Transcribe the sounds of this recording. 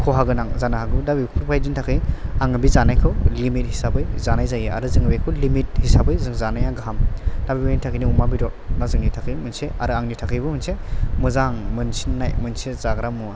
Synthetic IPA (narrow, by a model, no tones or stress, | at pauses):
kʰɔɦaɡɯnaŋzanaɦaɡɯdabipʰɯɾpʰajdintʰakʰɯjaŋɯbizanajkʰɯwlimit̚hisabɯjzanajzajɯa̰ɾɯzɯŋɯbekʰɯwlimit̚hisabɯjzɯŋzanajaɡaɦamd̥abipʰaintʰakʰɯjniumabiɾɔt̚nazɯŋnitʰakʰɯjmɯnseaɾɯaŋnitʰakʰɯjbɯmɯnsemɯzaŋmɯnsinːajmɯnsezaɡɾamua